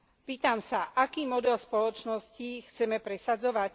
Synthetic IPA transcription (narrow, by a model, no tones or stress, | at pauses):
piːt̪amsaʔakiːmɔd̪ɛlspɔlɔt͡ʃnɔscixt͡sɛmɛpɾɛsad͡zɔʋac